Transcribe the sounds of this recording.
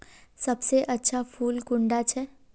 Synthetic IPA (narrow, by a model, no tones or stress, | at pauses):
sɐbseʔɐtːʃʰafʰuːlɡʊ̃ɳɖat͡ʃʰɛ